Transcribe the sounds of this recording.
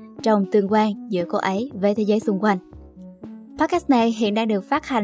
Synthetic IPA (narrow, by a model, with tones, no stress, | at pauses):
t͡ɕɔ˧wŋ͡mt̪ɨ˧˩əŋkwaː˧nzɨ̰˧˥əko˧ʔə˨˦jvəː˨˦t̪ʰe˨˦zəː˨˦jsʊ˧ŋ͡mkwa˧jŋ̟ | paː˦˥kɛ˦˥na˨˩jɦḭ˧˨ənɗaː˧ŋɗɨ˨˩ək̚faː˦˥t̚ha˨˩